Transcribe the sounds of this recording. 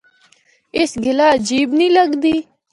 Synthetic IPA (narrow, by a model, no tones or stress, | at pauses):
ɪsɡɪlaːəd͡ʒiːbniːləɡd̪iː